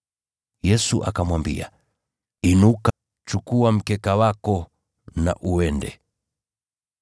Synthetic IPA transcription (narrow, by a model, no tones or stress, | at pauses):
jɛsuʔa̰kamwambḭa̰ | inuka | t͡ʃukuwam̩kɛkawakɔ | na̰ʔuwɛndɛ̰